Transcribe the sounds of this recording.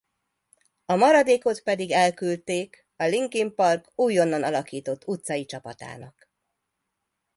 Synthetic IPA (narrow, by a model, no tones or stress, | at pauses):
ɒmɒɾɒd̪eːko̞t̪pɛd̪iɡɛlkylt̪eːk | ɒliŋkimpɒrkuːjo̞nːɒnɒlɒkiːt̪o̞t̪ːut̪sɒjit͡ʃɒpɒt̪a̰ːnɒk